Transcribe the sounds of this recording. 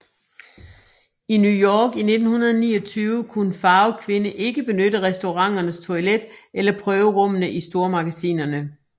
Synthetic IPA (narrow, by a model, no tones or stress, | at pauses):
injujɒːɡ̥ine̝d̥n̩hunɐðˠnḭːɒt͡sʰyːʊəkʰunəfɑ̈ʊkʰʋe̝nəʔe̝ɡ̥əb̥e̝nødəʁɛsd̥o̝ʁɑ̈ŋ̰ɐnəst͡sʰo̝iled̥elɐpʰʁœːʊəʁɔ̽m̰ənəʔisd̥o̝ɐmɑ̈ɡ̥æsḭːnɐnə